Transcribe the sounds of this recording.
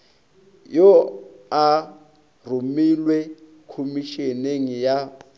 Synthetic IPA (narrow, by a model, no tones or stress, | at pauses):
jɔa | rumilwɛ | kʰomiʃeneŋija